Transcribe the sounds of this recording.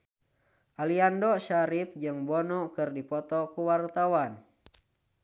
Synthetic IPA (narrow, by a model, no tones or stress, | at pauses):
ʔaliandɔʃaɾip̚d͡ʒɨŋbɔnɔkɨrdipɔt̪ɔkuwart̪awan